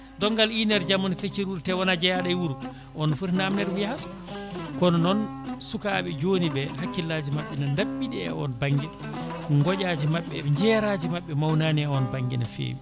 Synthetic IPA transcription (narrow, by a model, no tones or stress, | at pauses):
dɔŋɡalinɛɾd͡ʒamɔnfet͡ʃːiɾuɾtɛwɔnad͡ʒɛjaɗajwuɾu | ʔɔnɔfuɾnaːmnɛɾwuja | kɔnɔnɔn | sukaɓɛd͡ʒonibɛhakːilːad͡ʒimaɓːɛnandaɓːiɗɛɛ̰ɔ̰nbaŋɡɛ | ŋɡɔɟaːd͡ʒimaɓːɛ̰ɲd͡ʒɛːɾaːd͡ʒimaɓːɛmawnaːniɛɔnbaŋɡɛnafḛːmi